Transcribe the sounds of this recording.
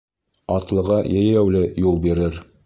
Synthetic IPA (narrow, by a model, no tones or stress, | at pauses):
ɑt̪lˠɤ̆ʁɑjæjæwlɘjulˠbiɾɘɾ